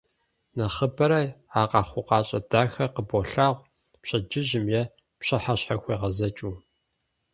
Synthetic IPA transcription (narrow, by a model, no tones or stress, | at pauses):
nɐχəbɐɾɐaːqɑːχʷʊqɑːɕʼɐdaːxɐqəboɬaːʁʷ | pɕɐd͡ʒɪʒɪmjɛ | pɕɐħaɕħaxʷiːʁɐzɐt͡ʃʼuː